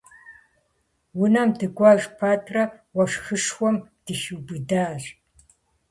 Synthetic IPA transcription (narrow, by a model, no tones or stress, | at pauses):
wʊnɐmdɨɡʷɐʒpʰaːtʰrɐwɐʂxɨʂxʷɔmd̥ɨʃɨbɨdaːɬ